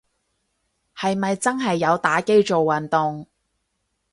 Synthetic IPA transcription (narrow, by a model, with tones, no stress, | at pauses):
hɐ˨jmɐ˨jt͡sɐ˥nɦɐ˨jːɐ˨˧wt̪aː˨˥ke˥jt͡so˨wːɐ˨˩nt̪ʊ˨ŋ